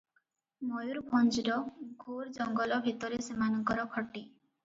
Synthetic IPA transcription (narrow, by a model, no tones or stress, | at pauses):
mɔjuɾbʰɔnd͡ʒiɾɔɡʱoɾd͡ʒɔŋɡɔlɔbʱit̪ɔɾesemanɔŋkɔɾɔkʰɔʈi